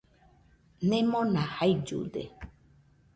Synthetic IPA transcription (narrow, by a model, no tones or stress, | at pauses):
nẽmõnãhajd͡ʒṵd̪ḛ